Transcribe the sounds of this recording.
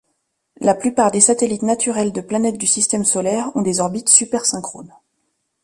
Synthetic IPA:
laplypaʁd̪esat̪elit̪nat̪ʰyʁɛld̪əplanɛt̪̚d̪ysist̪ɛmsɔlɛʁɔ̃d̪ezɔʁbit̪sypɛʁsɛ̃kχo̰n

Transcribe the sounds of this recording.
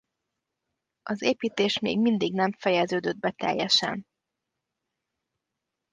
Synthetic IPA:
ɒzeːpiːt̪eːʃmḛːɡmind̪iɡnɛɱfɛjɛzøːd̪ød̪̚bɛt̪ɛ̰jːɛʃɛ̰n

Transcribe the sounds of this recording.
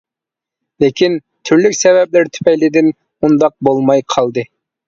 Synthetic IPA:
lekʲʰin | t̪ʰyɾlykʲsɛvɛp̚lɪɾt̪ʰy̥pʰɛjlɪd̪ɪn | und̪ɑq̚bolˠmɑjqʰɑlˠd̪ɨ

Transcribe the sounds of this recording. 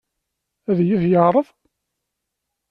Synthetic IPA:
æðjiθjəʁɾˤəv

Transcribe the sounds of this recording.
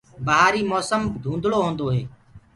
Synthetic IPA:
bəɦaːɾiːmɔːsəmd̪ʱũːnd̪ʱɭoːɦõːnd̪oːɦeː

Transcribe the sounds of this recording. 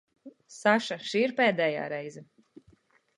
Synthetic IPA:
saʃaʃiːɾpɛːd̪ɛːja̰ːɾɛjzɛ

